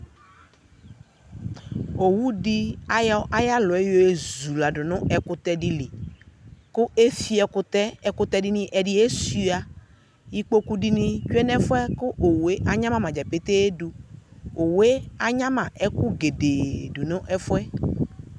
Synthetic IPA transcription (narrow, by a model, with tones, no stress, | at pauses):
o˨wu˦ɖi˦a˨ja˦ʔa˦ja˦lɔ˨ɛ˦jo˦e˦zu˨la˨ɖʊ˨nʊ̃˦ʔɛ˨kʊ˦t̪ɛ˦ɖi˦li˨ | kʊ˦e˦fi˦ɛ˨kʊ˦t̪ɛ˦ɛ˨kʊ˦t̪ɛ˦ɖi˦nĩ˦ʔɛ˨ɖi˦e˦si˦a˨ | ji˦k͡po˦ku˦ɖi˦nĩ˦t͡ʃu˦ɛ˦nɛ̃˦fʊ˦ɛ˦kʊ˦ʔo˨we˦ʔa˦ɲã˦mã˨mã˨d͡ʒɛ˨pe˦t̪e˦du˨o˨we˦a˦ɲã˦mã˨ʔɛ˦ku˦ɡe˨de˨du˨nʊ̃˦ʔɛ˦fʊ˦ɛ˦